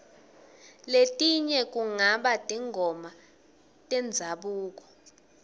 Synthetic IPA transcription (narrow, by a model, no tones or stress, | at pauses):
letʼiɲɛk̬ʼuŋaɓad̥ʱiŋʱɔma | tʼɛnd͡zʱaɓuːk̬ɔ̥